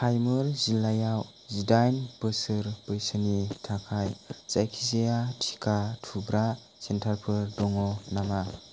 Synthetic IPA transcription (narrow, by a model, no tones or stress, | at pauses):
pʰajmɯɾzilajaw | zidajnpɯsɯɾb̥ɯjsɯnitʰakʰajzajkʰizejatʰi̥kʰatʰubɾa | sentʰaɾpʰɯɾdɔŋɔnama